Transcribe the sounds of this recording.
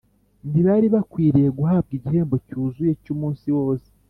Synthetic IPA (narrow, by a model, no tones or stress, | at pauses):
ndiβaɾiβakwiːɾijeɡuɦaːb̚ɡiɟihe̞ːmbo̞cuːzuje̞cumuːnsiwo̞ːse̥